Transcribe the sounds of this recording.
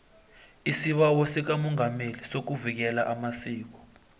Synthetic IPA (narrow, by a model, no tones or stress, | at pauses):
isiɓawɔsik̬amɔŋamelisok̬uvik̬ɛlaʔamasiːk̬ɔ̥